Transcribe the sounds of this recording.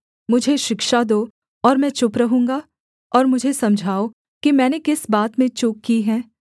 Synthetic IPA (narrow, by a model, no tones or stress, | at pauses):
mʊd͡ʒʱeʃɪkʃad̪oː | ɔːɾmɛ̃ːt͡ʃʊpɾɐɦũːŋɡa | ɔːɾmʊd͡ʒʱesɐmd͡ʒʱaːo | kimɛ̃ːnekɪsbaːt̪mẽt͡ʃʊkːiɦɛ̃ː